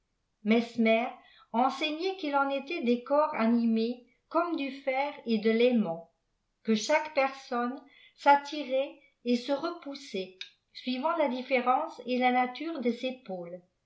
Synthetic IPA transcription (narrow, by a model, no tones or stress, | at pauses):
mɛsmɛʁ | ɑ̃sɛɲɛkilɑ̃net̪ɛd̪ekɔʁa̰nime | kɔmd̪yfɛʁed̪əlemɑ̃ | kəʃakpɛʁsɔn | sat̪ʰiʁɛ | esəʁəpusɛ | sɥivɑ̃lad̪ifeʁɑ̃selanat̪yːʁd̪əzepoːl